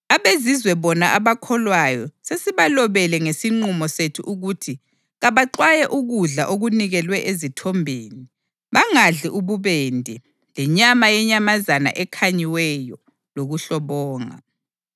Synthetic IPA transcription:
aβezizwɛβɔnaʔaβakʰɔlwajɔsesiβalɔβɛlɛŋesiŋ͡ǃumɔsetʰṵʔuɣutʰi | ɣaβaǃwajɛʔuɣuɮaʔoɣuniɣɛlwɛʔezitʰɔmbʱeːni | βaŋaɮiʔuβuβendʱɛ | lɛɲamajɛɲamazana̰ʔɛkʰaɲiwɛjɔ | loɣuɬɔβɔːŋa̰

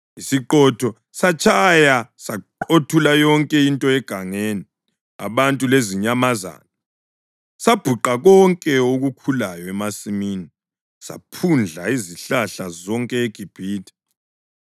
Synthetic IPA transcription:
isiǃɔtʰɔ | sat͡ʃʰʼajasaǃotʰulajɔŋkʼɛintʼɔɛɡ̥ʱaŋeːni | a̰βantʼuleziɲamaza̰nɔ | sab̥ʱuǃaɣɔŋkʼɛoɣukʰulajɔɛmasimiːni | sa̰pʰund͡ɮʱaiziɬaɬazɔŋkʼɛeɡ̥ʱib̥ʱiːtʰʼɛ̥

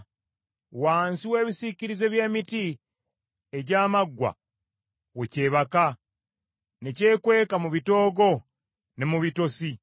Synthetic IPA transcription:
waːnsiwe̞ːβisiciɾize̞βje̞ːmiti | eɟaːmaɡwa̰ | wece̞ːβaka | ne̞ce̞ːkwe̞ːkamuβito̞ːɡo̞ | ne̞muβito̞si

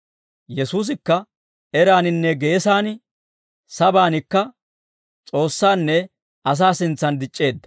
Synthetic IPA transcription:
jɛsuːs̬ɪkːɐ | ɛɾaːnɪnːɛɡe̞ːsaːnɪ | sɐbaːnɪkːɐ | t͡sʼo̞ːsːaːnːɛ | ʔɐs̬aːsɪnt͡sːɐnd̪ɪt͡ʃʼːe̞ːd̪ːɐ̥

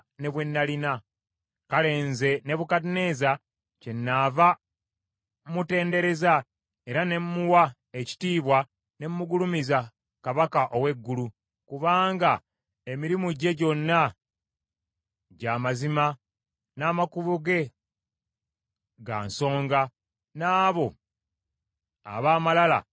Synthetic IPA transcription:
ne̞βwe̞nːalina | kale̞ːnze̞ne̞βukatine̞za | ce̞nːaːva | mute̞ːnde̞ɾe̞za | e̞ɾane̞mmuwa | eci̥tiːβwa | ne̞mumuɡulumiza | kaβakaʔowe̞ɡːulu | kuβaːŋɡa | emiɾimuɟeɟo̞nːa | ɟaːmazima | naːmakuβuɡe̞ | ɡa̰nso̞ːŋɡa | naːβo̞ | a̰βaːmalala̰

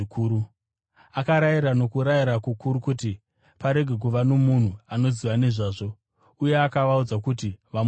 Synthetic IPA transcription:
ikuːɾu | akaɾajiɾano̞kuɾajiɾakukuɾukuti | paɾe̞ɡʱe̞k̬uʋano̞mun̤uano̞ziʋaneʐaːʐo̞ | uje̞akaʋaud͡zakutiʋam

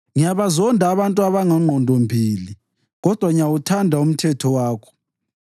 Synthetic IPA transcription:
ŋijaβazɔndʱaβantʼuaβaŋaŋ͡ǃʱɔndʱɔmbʱiːli | ɣɔd̥ʱwaŋiawutʰandʱaum̩tʰɛtʰɔwaːkʰɔ̥

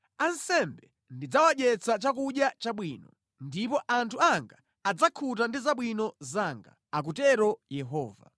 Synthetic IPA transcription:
ansɛmbɛ | ndid͡zawaɗɛt͡sat͡ʃak̬uɗjat͡ʃaɓwiːnɔ | ndipɔʔantʰuaŋɡaː | d͡zakʰutandizaɓwinɔzaŋɡa̰ | ak̬utɛɾɔjɛɦɔːva̰

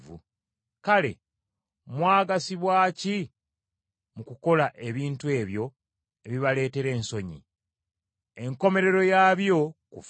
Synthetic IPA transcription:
vṵ | kale̞̰ | mwaːɡasiβwaːci | mukuko̞laʔe̞βiːntue̞ːβjo̞ | eβiβale̞ːte̞ɾe̞ːnso̞ɲḭ | e̞ŋko̞me̞ɾe̞ɾo̞jaːβjo̞kuf

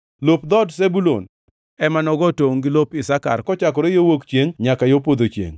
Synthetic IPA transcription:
lopd̪ɔds̬ebulo̰n | ɛmanɔɡɔtoŋɡɪlopɪsaka̰rkɔt͡ʃak̬ɔɾejowokt͡ʃjeŋɲakajopod̪ot͡ʃjḛŋ

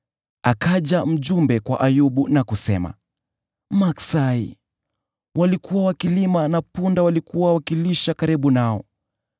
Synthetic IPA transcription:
akaʄam̩ʄumbɛkwa̰ʔajuɓunakusɛ̰ma̰ | maksaḭ | walikuwawakilimanapundawalikuwawakiliʃakaɾiɓunaɔ̰

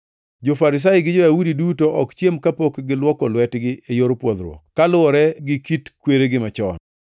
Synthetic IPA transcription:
d͡ʒofaɾɪs̬ajɪɡɪd͡ʒojaudidutoʔɔkt͡ʃjemkapokɡɪlwɔkɔlwɛtɡɪejoɾpwɔd̪ɾwɔ̰kalʊɔɾɛɡɪkitkweɾeɡɪmat͡ʃɔ̰n

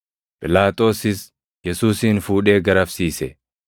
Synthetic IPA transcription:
pʼɪlaːt̪ʼo̞ːsɪs | jɛsuːsiːnfuːᶑe̞ːɡɐɾɐfsiːsɛ

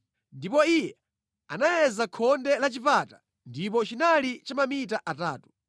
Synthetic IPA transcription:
ndipɔijɛ | anajɛzakʰɔndɛlat͡ʃipatḁ | ndip̬ɔt͡ʃinalit͡ʃamamitaʔata̰ːtu̥

